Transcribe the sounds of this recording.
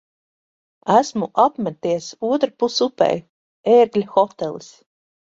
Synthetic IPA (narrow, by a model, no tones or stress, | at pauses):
æsmuʔapmæt̪iɛsuɔt̪ɾapusupɛ̰j | eːɾɡlʲxɔt̪ɛlˠis